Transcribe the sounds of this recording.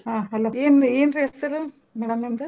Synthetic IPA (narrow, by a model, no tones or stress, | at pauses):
ɦãːɐlːɐeːneːnɾiesɐɾɯ | mɛɽɐmɐmd̪ɐ